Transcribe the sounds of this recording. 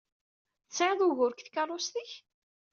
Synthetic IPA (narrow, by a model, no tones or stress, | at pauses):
θt͡sːʕeðˤʊʝʊɾkθkɑrˤːosθiç